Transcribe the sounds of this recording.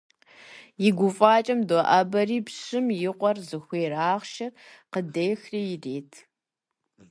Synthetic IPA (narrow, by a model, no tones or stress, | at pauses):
jɪɡʷʊfʼaːt͡ʃʼɐmdoʔɐbɐriːpɕɪmjɪqʷɔrzɨxʷeːraːʁʃɐrqədeːxrijɪreːtʰ